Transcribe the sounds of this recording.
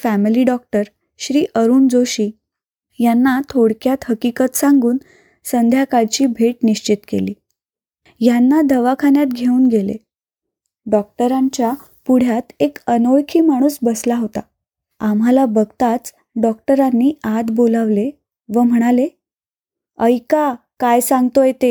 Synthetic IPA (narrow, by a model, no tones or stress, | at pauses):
fæmiliɖɔk̚ʈəɾ | ɕɾiːʔəɾuːnd͡zoɕiː | janːat̪ʰoɽkjat̪həkikət̪saŋɡuːn | sənd̪ʱjakaɭt͡ɕiːbʱeʈniɕt͡ɕit̪kḛliː | janːad̪əʋakʰanjat̪ɡʱeuːnɡelḛ | ɖɔk̚ʈəɾaɲt͡ɕja | puɽ̤jat̪ekənoɭkʰiːmaɽ̃uːsbəslaɦot̪a | amalabəɡt̪at͡s | ɖɔk̚ʈəɾanːiːad̪boləʋle | ʋəm̤əɽ̃ale | əjkakajsãŋɡt̪ojet̪e